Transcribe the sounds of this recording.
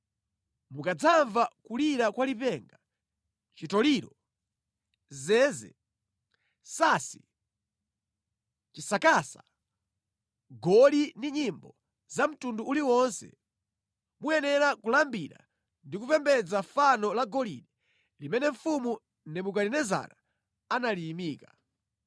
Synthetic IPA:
mukad͡zaɱvakuliɾakwalipɛŋɡa | t͡ʃitɔliːɾɔ | zɛːzɛ̰ | saːsi | t͡ʃisakaːsa̰ | ɡɔliniɲimbɔ | zam̩tunduuliwɔnsɛ̰ | mujɛnɛɾakulambiɾa̰ | ndik̬upɛmbɛd͡zafanɔlaɡɔlḭɗi | limɛnɛɱ̩fumu | nɛmuk̬alinɛza̰na | analiːmiːka

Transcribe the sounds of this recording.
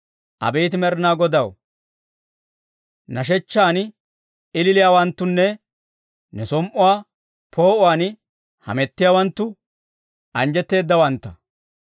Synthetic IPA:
ʔɐ̰bɛjt̪̬ɪmɛɾnaːɡɔd̪ɐw | nɐʃ̬ɛt͡ʃːaːn | ɪlɪlɪjaːwɐnt̪ːʊnːɛ | nɛsɔmʔʊwaː | pʰo̞ːʔʊwaːn | hɐ̰mɛt̪ːɪjaːwɐnt̪ːʊ | ʔɐnd͡ʒɛt̪ːe̞ːd̪ːɐwɐnt̪ːɐ

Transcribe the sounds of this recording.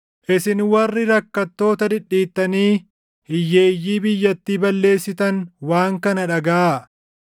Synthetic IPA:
ʔɪsɪnwɐrːɪɾɐkːɐt̪ːo̞ːt̪ɐd̪ɪᶑːiːt̪ːɐniː | hɪjːe̞ːjːiːbɪjːɐt̪ːiːbɐlːe̞ːsːɪt̪ɐnwaːŋkɐnɐᶑɐɡɐaː

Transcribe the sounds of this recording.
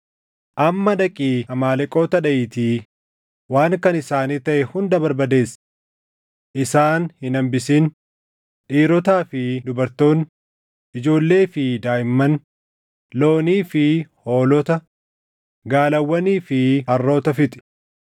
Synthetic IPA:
ʔɐmːɐᶑɐkʼiːɐmaːlɛkʼo̞ːt̪ɐᶑɐʔɪːt̪iː | waːŋkɐnɪsaːniːt̪ɐʔɛhʊnd̪ɐbɐɾbɐd̪e̞ːs | ʔɪsaːnhɪnɐmbɪsin | ᶑiːɾɔt̪aːfɪd̪ʊbɐɾt̪o̞ːn | ʔɪd͡ʒo̞ːlːe̞ːfɪd̪aːjɪmːɐn | lo̞ːniːfɪho̞ːlɔt̪ɐ | ɡaːlɐwːɐniːfɪɐrːo̞ːt̪ɐfɪt̪ʼɪ̥

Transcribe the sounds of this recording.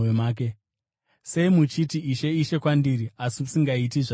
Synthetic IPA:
emaːk̬e | se̞imut͡ʃitiiʃe̞iʃe̞kwandiɾiasimusiŋɡait̬iʐa

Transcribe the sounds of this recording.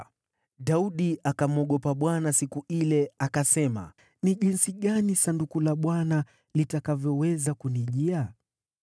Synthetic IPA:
ɗauɗiakamuɔɠɔpaɓwanasikuilɛakasɛma̰ | niʄinsiɠanisandukulaɓwana | litakavjɔwɛzakuniʄia

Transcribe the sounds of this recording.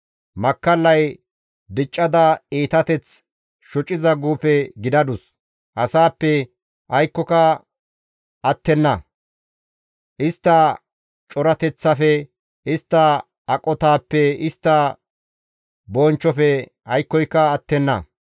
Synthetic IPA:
mɐkːɐlːɐj | d̪ɪt͡ʃʼːɐd̪ɐeːt̪ɐt̪ɛt͡s | ʃɔt͡ʃʼːɪzɐɡuːpɛɡɪd̪ɐd̪ʊs | ʔɐsaːpːɛ | ʔɐjkːɔkɐ | ɐt̪ːɛnːɐ | ʔɪst̪ːɐ | t͡ʃʼɔɾɐt̪ɛt͡sːɐfɛ | ɪst̪ːɐ | ɐkʼɔt̪aːpːɛɪst̪ːɐ | bɔːnt͡ʃːɔfɛ | ɐjkːɔjkːɐːt̪ːɛnːɐ̰

